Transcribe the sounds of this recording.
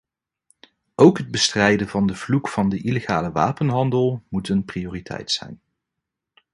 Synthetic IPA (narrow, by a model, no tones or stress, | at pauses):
ʔowkɦəd̚bəstrɛjdəvɑndəv̥lukfɑndəʔileχaːləʋa̰ːpənɦɑndəlˠmutənprioːritʰɛ̰jtsɛ̰jn